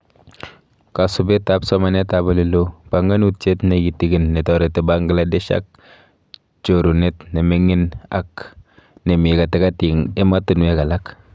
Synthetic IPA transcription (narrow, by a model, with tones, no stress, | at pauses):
ka˨sʊ˨be˦ta˦psɔ˦ma˨nɛ˦ta˨ba˨li˦lo˦b̥a˨ŋɡa˦nu˦t͡ʃe˦tne˨ɡi˨ti˦ɡi˦nːe˨tɔ˨ɾe˨tɪ˨ba˦ŋɡə˦la˦de˦ʃa̰˦k̚ | t͡ʃo˨ɾu˨ne˦tne˨mɪ˦ŋɪ˦na̰˦k | ne˨m˨ka˨tɪ˦ka˦ti˨ŋɪ˦ma˦tu˨n˨˦e˦ka˨la˦k